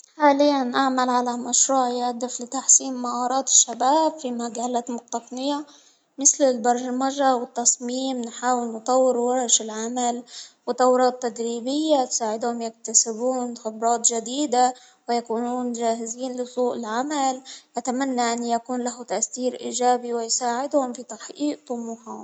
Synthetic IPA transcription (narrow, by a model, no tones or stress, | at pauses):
ħaːlɪjːanʔaʕmalʕalamaʃɾuːʕjʔad̪ːɪflɪt̪aħsiːmːaʔɑːɾˤɑːt̪ɪ̥ʃːabaːbfimaɡaːlat̪mʊq̚t̪ɑq̪nɪja | mɪθlɪlbɑɾˤmaʒawɪt̪ːɑsˤmiːmnħaːwɪlnɨt̪ˤɑwːɪɾwɑɾʃɪlʕamalwɪt̪ˤɑwɾˤɑːt̪ːad̪ɾiːbɪjːat̪saːʕɪd̪hʊmjɪk̚t̪asɪbuːnxɪbɾˤɑːt̪ˤʒad̪iːd̪a | wɪjakuːnuːnʒaːɦɪziːnlɪsˤuːʔɪlʕamalʔat̪amanːaʔanːjakuːnlaɦʊt̪aʔst̪iːɾʔiːʒaːbiwɪjsaːʕɪd̪hʊmfit̪aħʔiːʔt̪ˤʊmuħa